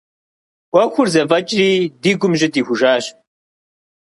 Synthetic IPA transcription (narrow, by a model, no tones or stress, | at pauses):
ɐxʷʊrzɐvɐt͡ʃʼriːdiːɡʷʊmʒɪtiːxʷʊʒaːɕ